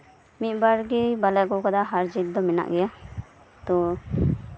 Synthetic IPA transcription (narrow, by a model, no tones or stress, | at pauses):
mit̪̚ˀbaɾɡɛbalɛkɔkad̪aɦaɾd͡ʒit̪̚d̪ɔmɛna̰ʔɡɛja | t̪ɔ